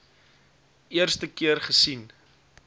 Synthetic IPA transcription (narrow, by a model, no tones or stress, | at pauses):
ʔiərstəkiərχəsin